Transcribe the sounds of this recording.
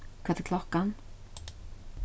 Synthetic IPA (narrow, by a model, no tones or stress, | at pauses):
kʰvaːt̪ɪɾkʰlɔhkan